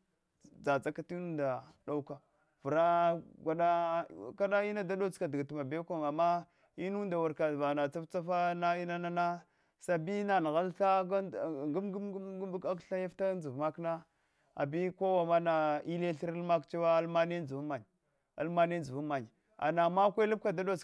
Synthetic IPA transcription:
d͡za˨t͡sa˦ka˦ti˦nu˦da˨ | ɗa˦u˦ka˨ | vu˨ɾa˦ɡʷa˨ɗa˦˨ka˦da˦i˦na˦da˦do˦t͡ska˨di˨ɡa˨tu˨ma˨be˦ka˦ma˨ma˦ | i˦nu˦nda˨wa˨ɾka˨va˨na˨t͡sa˦ft͡sa˦fa˦na˦i˦na˦na˦na˦ | sa˦bi˦na˨n˨ɣa˦lɬa˦ɡɡu˦mɡmɡɡɡa˦kɬa˦ja˦fta˦d͡zu˨vma˦kna˦ | a̰˨bi˦kʷa˦wa˨ma˦na˨i˦le˦ɬi˦ɾa˦lma˦kt͡ʃe˦wa˦a˦lma˦ne˦d͡zva˦ma˨ɲ˨ | a̰˨lma˦ne˦d͡zu˨vu˦ma˨ɲ˨ | a̰˨na˨ma˦kʷe˦la˦b̚ka˨da˦do˦

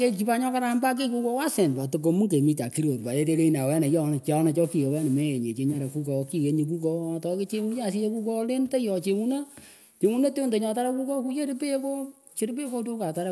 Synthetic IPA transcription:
ke˦ki˧pa˦ɲɔ˦ka˦ɾa˦mba˦k̬e˦ku˦ko˦wa˦se˨npa˨to˨k̬o˧˦mu˦ŋke˨mi˦ta˨ki˦ɾo˨ɾpa˨e˦te˦le˦na˨wɛ˦nɛ˨jɔ˦n˨t͡ʃa˨˦na˨t͡ʃɔ˦ki˨je˨wɛ˦ni˨me˦e˨ɲe˨t͡ʃe˦ɲa˨ɾa˨ku˦kɔ˨˦ki˦ɣe˨ɲe˨k̬u˦ko˧a˨tɔ˨˦ke˦t͡ʃe˦mu˦ja˦˨si˦e˦ku˦kɔ˦le˦nta˦jɔ˨t͡ʃe˨mu˦na˦ | t͡ʃe˨mu˦na˦te˦o˦nde˨ɲa˨ta˦ɾa˦ku˦kɔ˦ku˦je˦ɾi˦pe˦ko˦ | t͡ʃe˦ɾi˦pe˦ko˦tu˦ka˨ta˦ɾ

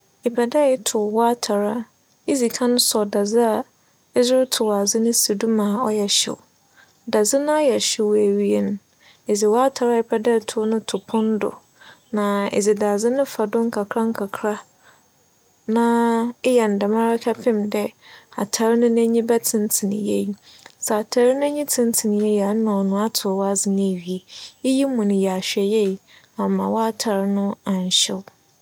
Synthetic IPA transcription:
i˨pʰɛ˨dɛ˦˨ɪ˦tʰʊ˨wa˦tʰa˨ɾa˦ | e˦zi˨kʰã˦nʊ̃˦sɔ˨da˨zɪ˦a˨ | ɪ˦zʊ˦ɾtʰʊ˨wa˨zɪ˦nʊ̃˦si˨du˦mã˨ɔ˦jɛ˨ɕɪ̰˨w | da˨zɪ˦nã˦jɛ˨ɕɪ˦wæ˨ɥi˨e˦n˦ | e˨zi˨wa˦tʰa˨ɾa˦i˨pʰɛ˨dɛ˦˨tʰʊ˨˦nʊ̃˦tʰʊ˨pʰʊ̃˦n˦dʊ̰˨ | nã˨ḛ˨zi˨da˨zɪ˦nʊ̃˦fa˨dʊ˦ŋ̩˦kʰa˨kʰɾa˦ŋ̩˦kʰa˨kʰɾa˦ | nã˦jɛ˨n̩˨da˨mã˦ɾa˦kʰa˦pʰɪ̃˦mdɛ˦a̰˨tʰa˨ɾɪ˦nʊ̃˦n˦æ̃˦ɲĩ˦bɛ˦tʰɪ̃˦n˦tʰɪ˨nɪ̰̃˨jḛ˦˨sa˨tʰa˨ɾɪ˦nʊ̃˦æ˦ɲĩ˦tʰɪ̃˦n˦tʰɪ˨nɪ̃˨jɛ˦˨a˨n˦nã˨ɔ˨nʊ̃˦a˦tʰʊ˨wa˨d͡zɪ˨nɪ̃˦e˨ɥi˨e˨i˦ji˦mũ˨nɪ̃˨jɛ˨a˨ɕᶣɛ˨jɛ˦i˨ | ã˨m˦mã˨wɔ˦a˦tʰa˨ɾɪ˦nʊ̃˦ã˨ɲ˨ɕɪ˦l

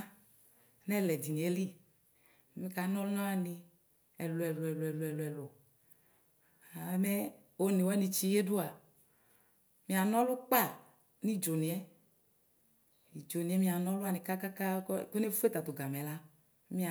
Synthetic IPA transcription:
nɛ˦˨lɛ˨di˨ɲ˨e˨˦li˦˨ | mĩ˨˦ka˨nɔ̃˦lɔ̃˦a˨nĩ˧ | ɛ˨lʊ˨˧ɛ˨lo˨˧ɛ˨lo˨˧ɛ˨lo˨ɛ˨lo˨ɛ˨lo˨ | mɛ˦ | o˦ni˨wɛ˦nĩ˧t͡ʃi˦˧je˦du˦a˨ | mĩ˧a˨nɔ̃˦lʊ˦k͡pa˦˨ | nĩ˦˨d͡ʒo˨nĩ˨ɛ˦ | i˨d͡ʒo˨nĩ˨˧ɛ˦mĩ˧a˨nɔ̃˦lʊ˦a˦˨nĩ˨˧ka˦ka˦ka˦˨ko˦ne˦fu˦e˦t̪a˨t̪o˨ɡa˨mɛ˨la˦ | mĩ˦a˨

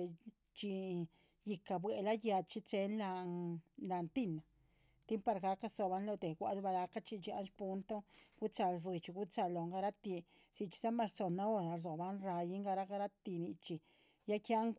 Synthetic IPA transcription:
e˨ | t͡ʃi˧ | ji˧ka˨bwe˨la˦ja˧d̪̚t͡ʃi˦t͡se˧˦nla˧la˧nt̪i˦˧na˨ | t̪i˦mpa˧ɾɡa˧ka˦so˨ba˧˦nlo˧d̪e˨ɡʷa̰˧˦d̪ba˧da˧ka˦t͡ʃi˧t͡ʃi˧a̰˦nʃpu˧nt̪o˦ɡu˦t͡sa˧lzi˧t͡ʃi˧ɡu˦t͡sa˧lːo˨ŋɡa˧ɾa˦t̪i˧ | si˧t͡ʃi̥˧sa˦ma˧st͡so˨na˦o˧la˨ɾzo˨ba˦nɾa˧ji˦ŋɡa˧ɾa˦ɡa˧ɾa˦t̪i˧ni˧t͡ʃi˧ | ja˦kja˦ŋ

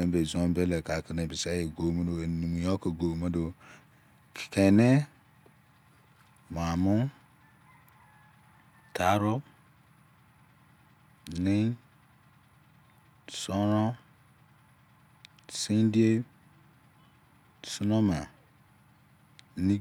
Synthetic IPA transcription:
e˨˦be˨zõ˦m˦be˦le˨ka˨ki˦ne˨bi˨sa˦je˨ɡo˨˦mo˦do˨e˨nu˨mu˨jo˦ke˨ɡo˨ma˦do˨ | ki̥˨ke˨ne˦ | ma˨mu˦ | tʰa˨˦ɾo˦˨ | nĩ˦n | so˦ɾɔ˦ | sĩ˦n˦di˦e˦ | su˦no˦ma˨ | ni˦

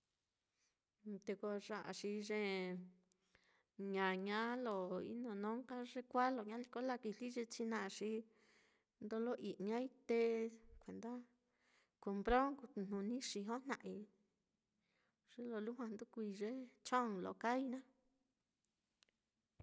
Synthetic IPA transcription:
t̪e˧ko˧ʐa˧˨ʔa̰˨ʂi˧ʐẽ˦ | ɲã˨ɲã˦lo˧˨ḭ˦nõ˧˨nõ˦ŋka˦ʐe˧kʷa˦lo˨ɲã˦li˧ko˦la˧ki˧li˦ʐe˧t͡ʃi˧nã˧˨˧ʂi˧ | nd̪o˧lo˦ʔi˨ʔɲã˦i˦t̪e˦kʷe˨nd̪a˦ | ko˧mbɾõ˦ŋku˧n̥nũ˧nĩ˦ʂi˧ɦõ˦n̥nã˧ʔi˧ | ʐ̥e˧lo˧˨lu˦ɦwã˧nd̪u˦kʷi˧ʐe˦t͡ʃõ˦˨ŋlo̰˨ka˦i˧nã˦

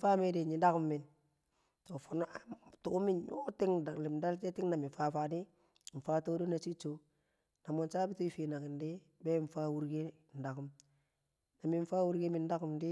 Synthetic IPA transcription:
fa˦me˦di˨ɲi˨da˦ku˦mːɪ˨n | to˨fu˨ntu˦mi˦no˦tɪ˦ŋda˨li˨mda˦lt͡ʃe˦tɪ˦ŋna˨mi˨fa˦fa˨dɪ˦˨ | ɱ̩˨faː˦toː˦do˦na˨t͡ʃi˦kt͡ʃo˨ | na˨mo˨nt͡ʃaː˦bi˦tu˦i˨fi˨na˨kɪ˨ndɪ˦ | bɛ˦ɱ˦fa˦wu˦ɾɡe˦ | n̩˨da˨ku˦m | na˨mi˨ɱ˦fa˦wu˦ɾɡe˦mi˨n˦da˦kumdɪ˦

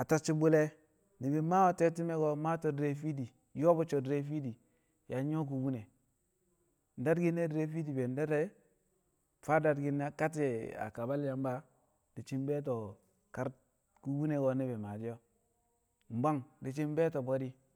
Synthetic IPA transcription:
a˨ta˦t͡ʃi˦bu˦le˦ | ni˨bi˨ma˦wo˦te˦ti˦me˦ɡo˦ma˦to˨dɾe˦fi˦di˨ | jo˦bu˦t͡ʃo˨dɾe˦fi˦di˨ | ja˨ɲo˦ku˨wu˦ne˨ | n̩˨da˦dɡi˦nːe˦dɾe˦fi˦di˨be˨n˦da˦ɾe˦ | fa˦da˨dɡi˦nːa˦ka˦t̬i˦˨a̰˨ka˨ba˦lja˨mba˦ | d̥i˨t͡ʃi˦mbe˦t̬o˨ | ka˦ɾ | ku˦wu˦ne˨ɡo˨ni˦bi˨ma˨di˦jo˦ | m̩˨ba˦ŋdi˨t͡ʃi˦mbe˦to˨bo˦di˦

